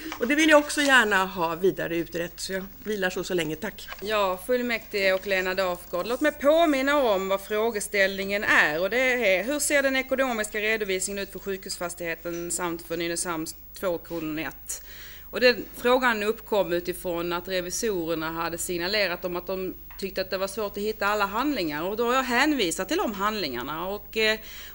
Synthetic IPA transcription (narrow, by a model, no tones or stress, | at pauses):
ɔd̪ɛvɪljaɔksɔjæːɳaɦɑːviːd̪a̰ɾəʉ̟ːt̪ɾɛt̪ːsɔjɑviːlaʂɔsɔlɛŋːət̪ʰakːjɑːfɵlːmɛkt̪ɪɡəɔkleːnad̪ɑːfɡoːd̪loːt̪mɛjpʰoːmɪnːaɔmvafɾoːɡəst̪ɛlnɪŋənæɾɔd̪ɛɦɵseːɖɛnɛkʊnoːmɪskaɾeːd̪ʊviːsnɪŋənʉ̟t̪fœɾɧʉ̟ːkhʉsfast̪ɪɡheːt̪ənsamt̪fɔnynəsamst̪ʰːvoːkʰuːnnɛ̰t̪ː | ɔd̪ɛnfɾoːɡanɵpːkʰɔmːʉ̟ːt̪ɪfɾɔnat̪ɾɛvɪsuːɾəɳaɦad̪ːəsɪŋnaleːɾat̪̚d̪ɔmat̪̚d̪ɔm | t̪ʰʏk̚t̪əat̪̚d̪ɛvaʂvoːʈɔhɪt̪ːaalːaɦand̪lɪŋaɾɔkd̪ɔhaɾjɑɦɛːnviːsat̪ːɪld̪ɔmɦand̪lɪŋa̰ɳaɔk